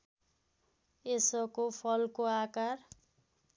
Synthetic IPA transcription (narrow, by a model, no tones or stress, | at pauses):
esʌkopʰʌlkoakar